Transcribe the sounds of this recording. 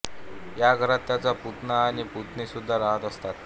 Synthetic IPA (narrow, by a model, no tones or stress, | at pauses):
jaɡʱəɾat̪ːjat͡saput̪naːɽ̃iput̪nisud̪ʱːaɾaɦət̪əst̪at̪